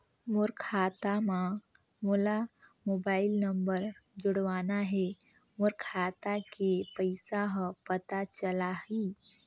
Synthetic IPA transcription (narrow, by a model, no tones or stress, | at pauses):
mʊɾkʰaːt̪amã | molamoːbaːɪlnəmbəɾd͡ʒʊɽʋaːnaɦɛ | mʊɾkʰaːt̪akepəɪsaɦpət̪at͡ʃəlaɦi